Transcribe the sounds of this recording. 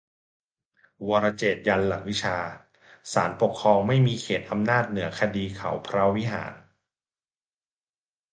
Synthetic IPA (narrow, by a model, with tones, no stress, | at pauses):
wɔː˧ɾa˧t͡ɕeː˨˩t̪̚ja˧nla˨˩k̚wi˦˥t͡ɕʰaː˧ | saː˩˦npo˨˩kʰːɾɔː˧ŋma˥˩jmiː˧kʰeː˨˩t̪̚ʔa˧mnaː˥˩t̪̚nɯ˩˦ɐkʰa˧diː˧kʰa̰˨˩˦wpʰɾa˦˥wi˦˥ɦa̰ː˩˦n